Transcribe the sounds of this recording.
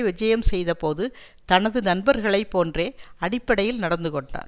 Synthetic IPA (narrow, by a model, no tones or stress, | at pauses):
ʋɪd͡ʒɐjɐmsɛjðɐpoːðɯ | t̪ɐnɐðɯnɐnbɐɾɣɐɭɐɪpːoːndreːɐɽɪpːɐɽɐjɪlnɐɽɐnd̪ɯkɔɳɖa̰ːɾ